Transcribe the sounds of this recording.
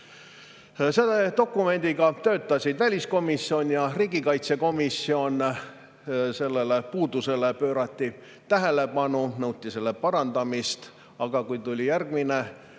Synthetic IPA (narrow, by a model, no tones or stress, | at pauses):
se̞d̪ed̪o̞kːˑume̞nʲd̪̥iɡɑt̪ø̞ːt̪ːˑɑsʲid̪̥vælʲisko̞misːio̞nʲjɑriːɡ̥ikɑjt̪se̞ko̞misːio̞n | se̞lːelepuːd̪use̞lepø̞ːɾɑt̪ːi | t̪æɦe̞le̞pɑnunɤwt̪ʲːˑise̞lːe̞pɑɾɑnd̪ɑmist̪ | ɑɡ̥ɑkujt̪ulʲijærɡ̥mine